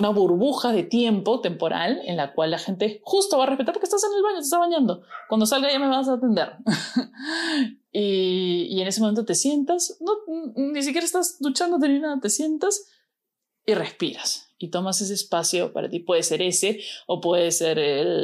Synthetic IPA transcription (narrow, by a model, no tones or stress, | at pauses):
unaβuɾβuxaðe̞t̪je̞mpo̞t̪e̞mpo̞ɾʔa̰le̞̰nlakwalːaxe̞nt̪e̞xust̪oβarespet̪aɾpokest̪ase̞nelβaɲo̞t̪est̪aβaɲand̪o̞kwand̪osalɣaʝame̞βas̬aːt̪e̞nd̪e̞ɾ | iie̞nesemo̞me̞nt̪ot̪e̞sje̞nt̪asnonis̬ik̬ʲjeɾaest̪azd̪ut͡ʃand̪ot̪eɾinaðat̪e̞sje̞nt̪as | ire̞spiɾasit̪o̞mase̞s̬e̞ːspasjo̞pa̰ɾa̰t̪ipwe̞ðese̞ɾe̞se̞opwe̞ðese̞ɾel